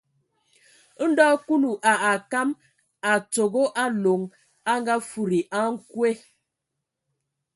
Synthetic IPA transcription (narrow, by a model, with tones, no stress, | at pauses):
n̩˦dɔ˦ku˦lu˨ʔa˨a˨ka˦m | a˨t͡so˨ɡo˦ʔa˦lo˨ŋ | a˦ŋɡa˦fu˨ɾi˨ʔa˦ŋ̩˦kwe˦